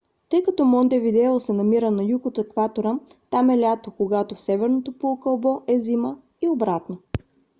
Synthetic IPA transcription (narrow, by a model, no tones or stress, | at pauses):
t̪ɤjkɐt̪ɔmɔnd̪ɛvid̪ɛlˠosɛnɐmiɾənɐjukot̪əkvat̪oɾət̪amɛlʲat̪okoɡat̪ofsɛvɛɾnot̪opookəlˠbɔʔɛzimə | iobɾat̪no